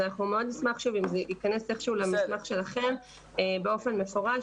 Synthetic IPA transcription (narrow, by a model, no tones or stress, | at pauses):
anaχnumeo̞d̪nismaχʃuvimzeʔikane̞seχʃuulemismaχʃe̞laχe̞m | ebeo̞fe̞nme̞fo̞ʁa